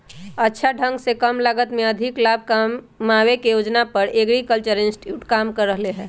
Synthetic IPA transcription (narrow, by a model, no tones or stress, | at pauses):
ətːʃʰaɖʱə̃ŋɡsekəmləɡət̪mẽəd̪ʱɪklabʱkamː | awekejod͡ʒnapəɾeɡɾikəlt͡ʃəɾɪ̃nsʈjuːʈkaːmkəɾːəɦleɦɛː